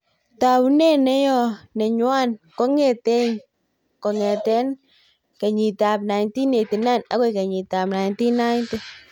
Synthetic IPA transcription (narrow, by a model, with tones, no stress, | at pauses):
ta˨wu˦ne˦nɛ˦jɔ˧nɛ˨ɲwa˦nkɔ˦ŋɛ˨tɛ˦ŋ | kɔ˨ŋɛ˨tɛ˦n | ka˨ɲi˨ta˨p̚na˨jnti˦ne˨ti˨na˦˨na̰˦ke˦˧ka˨ɲi˨ta˨pna˨nti˦na˦jnte˦